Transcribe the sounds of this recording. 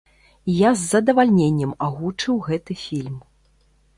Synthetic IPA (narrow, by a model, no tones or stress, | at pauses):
jazːɐd̪ɐvalʲnʲenʲːɛmaɣut͡ʂɨwɣɛt̪ɨfʲilʲm